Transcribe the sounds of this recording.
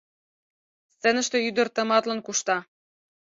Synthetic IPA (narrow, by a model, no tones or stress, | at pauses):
st͡sĕnɘ̆ʃt̪ĕyd̪ə̆rt̪ɤ̆mɑt̪lɤ̆nkuʃt̪ɑ